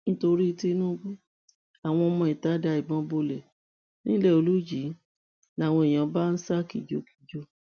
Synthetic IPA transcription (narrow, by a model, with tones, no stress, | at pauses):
nĩ˦to˧ɾi˦˧˦ti˦nũ˦bu˦ | a˨w̃ɔ̃˧ɔ˧mɔ̃˧i˨ta˨˦da˧˦i˨bɔ̃˨˦bo˧lɛ˨ | nĩ˦lɛ˦˨o˧lu˦d͡ʒi˨˦ | la˦˨w̃ɔ̃˧e˨j̃ã˨˦ba˦˧n̩˦sa˦kḭ˨d͡ʒo˦ki̥˨d͡ʒo˦